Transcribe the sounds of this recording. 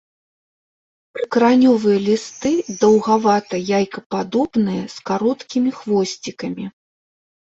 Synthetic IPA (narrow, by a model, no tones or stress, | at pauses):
pɨkɾanʲɔvɨjɐlʲist̪ɨd̪ɐwɣavat̪ɐjajkɐpad̪ɔbnɨjɐskaɾɔt̪kʲimʲixvɔsʲt͡sʲikɐmʲi